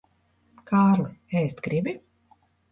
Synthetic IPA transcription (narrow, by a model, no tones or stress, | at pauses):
kʰaːɾlˠɨɛːst̪ɡɾibi